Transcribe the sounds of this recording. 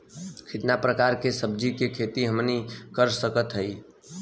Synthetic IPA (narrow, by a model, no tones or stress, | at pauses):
kʰɪt̪napɾəkaːɾkesəbd͡ʒikekʰeːt̪iɦəmnikəɾsəkət̪ɦəi